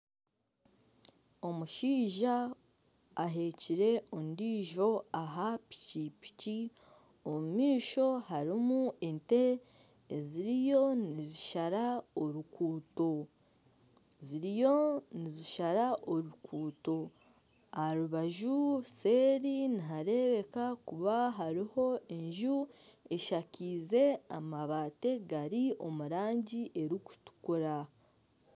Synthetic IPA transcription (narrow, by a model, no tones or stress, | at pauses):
o̞muʃiːʒaː | ɦe̞ciɾe̞ʔondiːʒo̞aɦapi̥ciːpi̥ci | o̞mumiːʃo̞haɾimue̞nte̞ː | ziɾijo̞niziʃaɾaoɾukuːto̞ | ziɾijo̞niziʃaɾaʔo̞ɾukʰuːto̞ | aɾuβaʒuse̞ːɾiniɦaɾe̞βe̞kakuβaɦaɾiho̞e̞ɲʒue̞ʃaciːze̞amaβate̞ɡaɾio̞muɾaːɲɟiʔe̞ɾiku̥tu̥kuɾa